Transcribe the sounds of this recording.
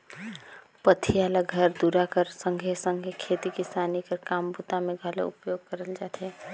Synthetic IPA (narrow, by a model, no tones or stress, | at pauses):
pət̪ʰijalaɡʱəɾd̪uɾakəɾsəŋɡʱesəŋɡʱekʰet̪ikisanikəɾkambut̪ameɡʱəlḛṵpjoɡ̚kəɾəld͡ʒat̪ɛ